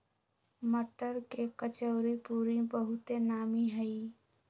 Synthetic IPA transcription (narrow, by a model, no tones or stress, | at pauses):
məʈəɾkekət͡ʃəʊɾipuɾibəɦʊt̪enaːmiɦəi